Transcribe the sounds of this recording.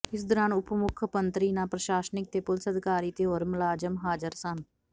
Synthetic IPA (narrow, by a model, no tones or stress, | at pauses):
ɪsd̪əɾaːnʊpmʊkʰpənt̪ɾiːnãːpɾəʃaːsnɪk̚t̪eːpʊlsəd̪kaːɾiːt̪eɦoːɾməlaːd͡ʒəmɦaːd͡ʒəɾsən